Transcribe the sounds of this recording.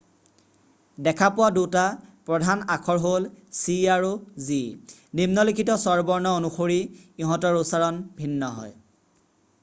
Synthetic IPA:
dɛkʰapʊwadutapɹɔdʱanakʰɔɹɦolsiaɹuzinimnɔlikʰitɔsɔɹbɔɹnɔonuxoɹiiɦɔ̃tɔɹusaɹɔnbʱinːɔɦɔ̰j

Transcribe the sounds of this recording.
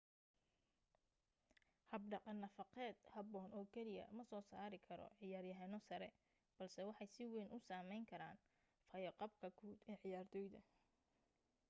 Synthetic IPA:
hɐbɖɑqɑnːɐfɑqɛːd̪hɐbɔːnɔːkʰɛlɪjɐ̰mɐsɔːsaːɾɪkʰɐɾɔ̰ʕɪjaːrjɐɦɛnɔsɐɾɛ | b̥ɐlsɛwɑħɑjsɪwɛjnʔʊsaːmɛjŋkʰɐɾaːn | fɐjɐqɑb̚kʰɐɡʰuːd̪ɛːʕɪjaːrd̪ɔjd̪ɐ

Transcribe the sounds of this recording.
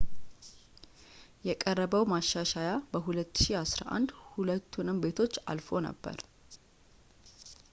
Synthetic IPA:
jɛkʼərːəβəwmaʃaʃajabəɦulət̪ːʃiasɾa̰ʔa̰nd̪hulət̪ʰːunɨmbe̞t̪ʰo̞t͡ʃːa̰lfo̞nə̰bːə̰ɾ

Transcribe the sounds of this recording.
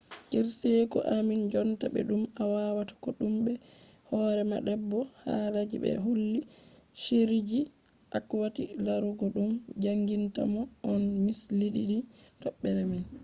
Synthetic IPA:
kiɾsɛkɔ̰ʔamind͡ʒɔntabɛ̰ɗumawawatḁkɔɗumbɛ | hɔɾɛma̰ɗɛbːɔha̰lad͡ʒḭbɛ̰ɦulːiʃeɾid͡ʒi | ʔakwatilaɾuɡɔɗumd͡ʒaŋɡinta̰mɔʔːnmisliɗiɗitɔɓːɛɾamin

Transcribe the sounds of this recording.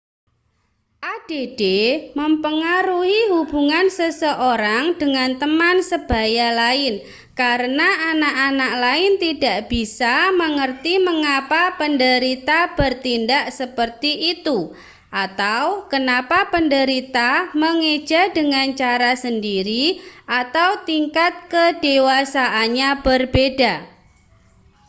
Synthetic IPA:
ʔad̥ed̥eməmpəŋaɾuhiɦubuŋansəsəʔoɾaŋd̥əŋant̪əmansəb̥a̤jalaɪn | kaɾənaanaʔanaʔlaɪnt̪id̥a̤ʔb̥isaməŋərt̪iməŋapapəndəɾit̪ab̥ərt̪indaʔsəpərt̪iʔit̪u | ʔat̪awkənapapəndəɾit̪aməŋe̥d͡ʒ̥a̤dəŋant͡ʃaɾasəndiɾiʔat̪awt̪iŋkat̪̚kəd̥ewasaʔaɲab̥ərbeda

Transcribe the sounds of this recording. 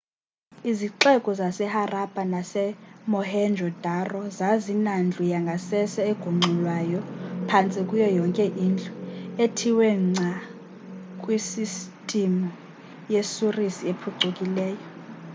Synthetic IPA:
iziǁɛkʼɔzasɛharab̥ʼʱanasɛmɔhɛnd͡ʒʱɔd̥ʱarɔzazinand͡ɮʱujaŋɡʱasɛsɛeɡ̥ʱuŋ͡ǀʱulwaːjɔpʰant͡sʼikʼujɔjɔŋkʼɛʔind͡ɮʱʼuetʰiwɛŋ͡ǀʱa | kʼwisistʼimu | jesurisiepʰuǀukʼilɛːjɔ

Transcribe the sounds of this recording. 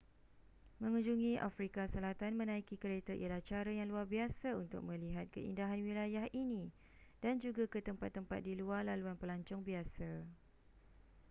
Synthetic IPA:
mə̃ŋũɲd͡ʒuŋĩʔa̰fɾikasəlat̪anmə̃nãikikəɾet̪aʔḭjalaht͡ʃaɾajaŋluarbiasaunt̪ʊ̰k̚mə̃liɦat̪̚kə̰ḭndaɦanwilajahʔinĩ | d̥and͡ʒuɡakət̪əmpat̪ːəmpat̪̚diluarlaluanpəlaɲt͡ʃʊŋbiasa

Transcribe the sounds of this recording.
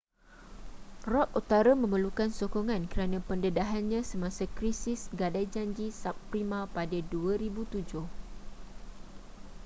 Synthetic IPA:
rɔk̚ut̪aɾamə̃məlukansokɔŋãnkəɾanãpəndədaɦanɲãsəmãsakɾisisɡadajd͡ʒaɲd͡ʒisap̚pɾimãpadəduəɾibut̪ud͡ʒʊh

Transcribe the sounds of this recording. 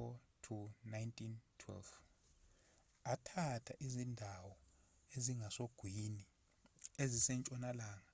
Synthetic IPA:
ɔtʰunajntʼʰintʰwɛ̰lf | atʰatʰaʔizindʱawɔ | eziŋɡʱasoɡ̥ʱwini | ezisɛnt͡ʃʼɔnalaːŋa

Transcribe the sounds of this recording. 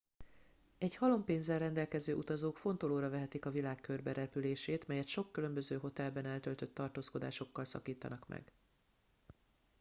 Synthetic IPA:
ɛɟhɒlo̞mpeːnzɛlrɛnd̪ɛlkɛzøːʔut̪ɒzoːkfo̞nt̪oloːɾɒvɛɦɛt̪ikɒvilaːkkørbɛɾɛpyleːʃeːt̪mɛjɛt̪ʃo̞kːylø̞mbø̞zøːɦo̞t̪ɛlbɛnɛlt̪ølt̪ø̞t̪ːɒrt̪oːsko̞d̪aːʃo̞kːɒlsɒ̰kiːt̪ɒ̰nɒkmɛ̰ɡ

